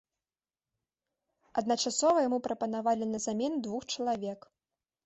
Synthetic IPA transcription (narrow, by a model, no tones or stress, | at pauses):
ɐd̪nɐt͡ʂasɔvɐjamupɾɐpɐnavalʲinɐzamʲɛnd̪vuxt͡ʂɐlˠavʲɛk